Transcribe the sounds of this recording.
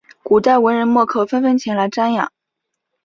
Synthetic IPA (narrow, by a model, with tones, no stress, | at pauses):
ku˨˩t̪a˥˩ɪwə˧˥nɻə˧˥nmwɔ˥˧kʰɤ˥˩fə˥nfə˥nt͡ɕʰjɛ˧˥ŋla˧˥ɪʈ͡ʂa˥njɑ̰˨˩˦ŋ